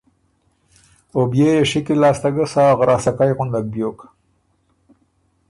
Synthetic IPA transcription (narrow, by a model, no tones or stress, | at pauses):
objejeʃɪkilɑːst̪aɡəsɑːɣɾʔɑːsakajɣʊnd̪ak̚bjoːk